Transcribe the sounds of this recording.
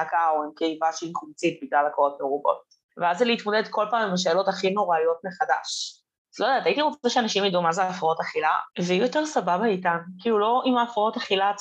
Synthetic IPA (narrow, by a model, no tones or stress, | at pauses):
akaoimkeivaʃeiχumt͡sit̚biɡlalakoʁotmeʁobo̞̰t̚ | veazːeliit̪mo̞d̪e̞d̪ko̞lpaːmimaʃ̬elo̞taχino̞ʁalijo̞t̚meχada̰ʃ | zlo̞jdaːt̪aitiʁot͡sezeʃeanaʃimjad̪uumazeaːfaotaχila̰veijoteʁsababaitankilulo̞ʔimaːfao̞taχilat͡s